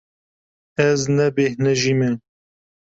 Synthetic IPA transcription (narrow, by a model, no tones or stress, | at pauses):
ɛznɛbehnɛʒimɛ